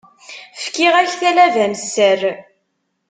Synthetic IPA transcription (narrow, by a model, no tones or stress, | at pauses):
fkiʁæçθælævænsːər